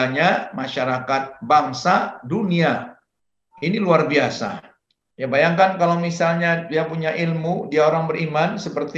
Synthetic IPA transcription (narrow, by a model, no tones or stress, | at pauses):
aɲamaʃaɾakat̪̚baŋsadunia | iniluarbiasa̰ | jabajaŋkankalawmisalɲadiapuɲaʔilmudiaoɾaŋbəɾimansəpərt̪